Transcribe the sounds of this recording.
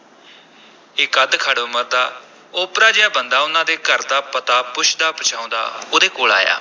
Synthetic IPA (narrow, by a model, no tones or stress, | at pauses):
ɪkəd̪kʰəɽʊməɾd̪aː | ʊpɾaːd͡ʒɪjãːbənd̪aːʊnãːd̪eːkəɾd̪aːpət̪aːpʊʃd̪aːpət͡ʃʰãːʊ̃ːnd̪a̰ːoːd̪eːkoːla̰ːja̰ː